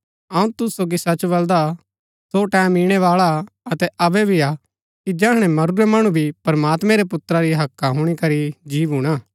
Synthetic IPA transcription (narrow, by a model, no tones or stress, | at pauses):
ɐũt̪ʊssoːɡisɐt͡ʃbɐld̪a | soʈɛːmiːɽ̃ɛʋaːɭa | ɐt̪ɛɐbɛbʱia | kid͡ʒɐːɦɽ̃ɛmɐɾuɾɛmɐɽ̃ũbʱipɐɾɐmaːt̪mɛ̃ɾɛpʊt̪ɾaɾiɦɐkːaɦʊɽ̃ikɐɾid͡ʒiːʋɦuɽ̃aː